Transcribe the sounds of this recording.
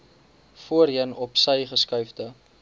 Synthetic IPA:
fuəriənɔpsəjχəskœɥfdə

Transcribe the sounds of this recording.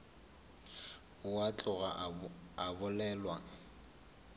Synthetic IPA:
ʊwat͡ɬʼʊɣa̰abʊlɛlwaŋ̩

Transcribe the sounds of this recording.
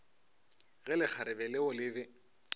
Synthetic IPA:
ɣɛlɪk͡xʰaɾɪbɛlɪʊlɪbɪ

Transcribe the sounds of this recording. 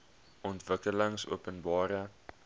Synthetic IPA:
ɔntvəkələŋsṵəpənbɑːɾə

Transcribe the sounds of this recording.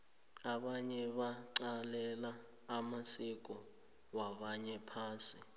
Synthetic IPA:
aɓaɲɛɓaǀalɛlaː | masik̬ʼɔ | waɓaɲɛpʰaːsi

